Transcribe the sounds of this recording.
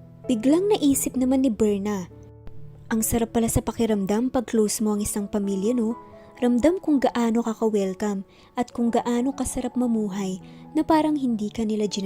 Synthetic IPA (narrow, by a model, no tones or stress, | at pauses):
b̥ɪɡlaŋnɐʔiːsɪp̚nɐmanːɪbɛɹnɐ | ʔɐŋsɐɾapːɐlasɐpɐkɪɾɐmd̪ampɐɡ̚klowsmo̞ʔɐŋɪsaŋpɐmiljɐno̞ | ɾɐmd̪amkʊŋɡɐʔaːno̞kɐkɐwɛlkɐm | ʔɐt̪̚kʊŋɡɐʔaːno̞kɐsɐɾap̚mɐmuːɦɐjnɐpaːɾɐŋɦɪnd̪iːkɐnɪlad͡ʒɪn